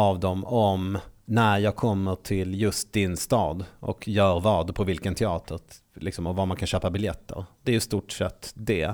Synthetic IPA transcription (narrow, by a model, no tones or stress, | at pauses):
avd̪ɔmɔmnæɾjɑːɡ̚kʰɔmːəʈʰɪljɵst̪̚d̪ɪnst̪ɑ̰ːd̪ʔɔ̰kjœːɾvɑːd̪pʰɔvɪlkənt̪ʰɛɑːt̪ʰəɾ | lɪksɔmɔvamankʰanɕøːpabɪljɛt̪ːə̰ɾd̪ɛæɾjɵst̪uːʈʂɛt̪ːd̪ɛ